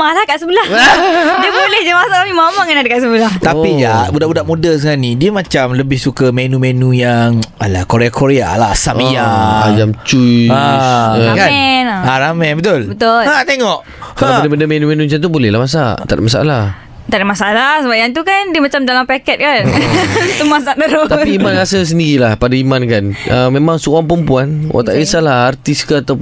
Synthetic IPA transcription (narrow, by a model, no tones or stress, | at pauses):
malahkaʔsəbəlahdiəbolɛhd͡ʒamasaʔkamimamaŋanadakaʔsəbəlaht̪apilabudaʔbudaʔmudəs̬əŋanidiəmãt͡ʃamləbɪhsukəmenũmenũjaŋalakoɾeakoɾea̰la̰samijad͡ʒamt͡ʃua | kanaɾamɛ̃nbət̪ʊlbət̪ʊlat̪eŋɔʔ | kalabadabədamenũmẽnũt͡ʃant̪ubolɛhlamas̬at̪a̰da̰ʔmas̬aa̰la | t̪adaʔmasaalasəbajant̪ukandimat͡ʃamdalampakɛt̪̚kant̪umasaʔ̚daɾot̪apiːmãnɣasəs̬əndiɾilahpadaimankanəmẽmãŋsuaŋpəmpuanwʔa̰ʔt̪aʔisalaart̪iskat̪aw